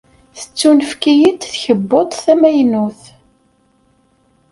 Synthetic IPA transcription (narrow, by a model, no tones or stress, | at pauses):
θə̥t͡sːunəfkijit̪θçəbːot̪ˤθæmæjnuθ